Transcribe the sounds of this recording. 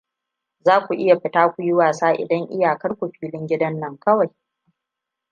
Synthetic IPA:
zaː˦kʷu˨ʔɪ˦ja˨ɸɪ˨taː˦kʷu˨jɪ˦waː˨saː˦ʔɪ̰˨dɐ˦ŋʔɪ̰˦ja˨kɐ˦rkʷu˨ɸiː˦lɪ˦ŋɡʲɪ˦dɐ˦nːɐ˦ŋkɐ˦wa˨j

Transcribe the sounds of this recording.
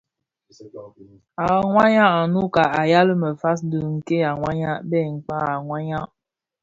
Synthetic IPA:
a˨ŋwa˦ɲa˦a˨nu˦ka˨a˨ja˦lə˦mə˨fa˦s̬dɨ˨ŋ̩˨ke˦a˨ŋwa˦ɲa˦bɛ˦˨ŋ̩˨k͡pa˦a˨ŋwa˦ɲa˦ʔ

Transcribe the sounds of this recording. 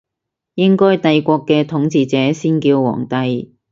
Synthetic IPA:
jɪ˥ŋkɔː˥jt̪ɐ˨˧jkʷɔː˧kːɛː˧t̪ʰʊ˨˥ŋt͡siː˧t͡sɛː˨˥siː˥nkiː˧wwɔ̰ː˨˩ŋt̪ɐ˧j

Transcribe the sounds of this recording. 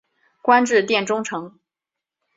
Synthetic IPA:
kwa˥nʈ͡ʂɻ̩˥˧t̪jɛ˥˩nʈ͡ʂʊ˥ŋʈ͡ʂʰɤ˧˥ŋ

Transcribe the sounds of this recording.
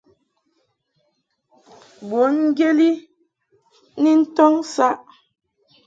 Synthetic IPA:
bwo˨˦nŋ̩˦ɡje˦li˦ | ni˦n̩˦tɔ˦ŋsa˦ʔ

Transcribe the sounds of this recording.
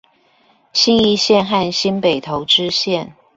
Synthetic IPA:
ɕi˥ni˥˧ɕjɛ˥˨nxa˥˨nɕi˥npe˨˩ɪt̪ʰo˧˥ʊʈ͡ʂɻ̩˥ɕjɛ˥˨n

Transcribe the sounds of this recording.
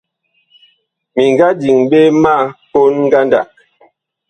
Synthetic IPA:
mi˨ŋɡa˦di˨ŋbe˦ma˦˨ko˦nŋ˦ɡa˦nda̰˨ʔ̚

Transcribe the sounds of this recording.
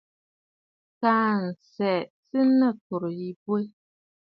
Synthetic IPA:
taː˦n̩˨sɛ˨tɨ˦nə˦ko˨ɾji˦bwe˦

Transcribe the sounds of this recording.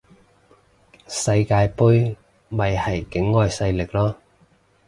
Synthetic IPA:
sɐ˧jkaː˧jpu˥j | mɐ˨˧jhɐ˨˩jkɪ˨˥ŋːɔː˨˧jsɐ˧jlɪ˨˩k̚lɔː˥

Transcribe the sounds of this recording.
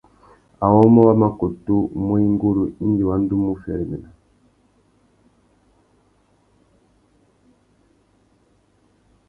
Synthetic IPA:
a˨wɔ˦mɔ˦wa˦ma˨ko˨tu˦mu˦i˦ŋɡu˦lu˨i˦nd͡ʒi˨wa˦n˦du˦mu˦fɛ˨ɛ˨mɛ˨na˨

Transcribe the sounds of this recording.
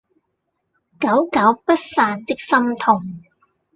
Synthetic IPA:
kɐ˨˥wkɐ˨˥wpɐ˥t̚faː˧nt̪ɪ˥k̚sɐ˥mt̪ʰʊ˨˩ŋ

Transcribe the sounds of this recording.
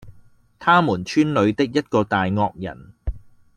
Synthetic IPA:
t̪ʰaː˥muː˨˩nt͡ʃʰyː˥nlɵ˨˧ɥt̪ɪ˥k̚jɐ˥t̚kɔː˧t̪aː˨jŋɔː˧k̚jɐ̰˨˩n

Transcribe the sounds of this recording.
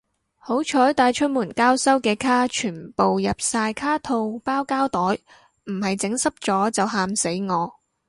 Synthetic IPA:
ho˨˥wt͡ʃʰɔː˨˥jt̪aː˧jt͡ʃʰɵ˥t̚muː˨˩nkaː˥wsɐ˥wkɛː˧kʰaː˥t͡ʃʰyː˨˩npo˨wjɐ˨p̚saː˧jkʰaː˥t̪ʰo˧wpaː˥wkaː˥wt̪ɔː˨˥j | m̩˨˩hɐ˨jt͡sɪ˨˥ŋsɐ˥p̚t͡sɔː˨˥t͡sɐ˨wɦaː˧mse˨˥jŋɔː˨˧

